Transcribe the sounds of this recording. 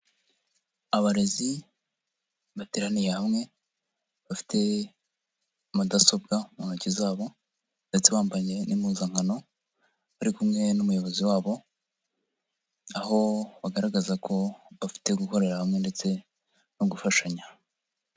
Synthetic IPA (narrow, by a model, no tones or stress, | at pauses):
aβaɾezi | βateɾanijehamŋe̞ | βafi̥tʰe̞ | madaso̞b̚ɡamunacizaːβo̞ | nde̞t͡se̞βaːmbaɲe̞nimuzaŋhano̞ | βaɾikumŋe̞numujo̞βo̞ziwaːβo̞ | aho̞βaɡaɾaɡazakʰo̞βafi̥te̞ɡuko̞ɾe̞ɾahamŋe̞nde̞t͡se̞ | noɡufaʃaɲa